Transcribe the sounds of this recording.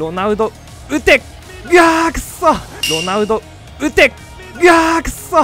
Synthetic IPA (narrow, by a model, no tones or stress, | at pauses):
ɾo̞naɯ̟d̪o | ɯ̟t̪e | ɡaksoɾo̞naɯ̟d̪o | ɯ̟t̪e | ɡakso